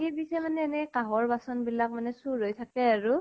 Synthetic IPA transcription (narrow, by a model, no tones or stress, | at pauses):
ebisɔmanɛːnɛkaɦɔɹbasɔnbilak̚manɛsuɹɦojtʰakɛaɹu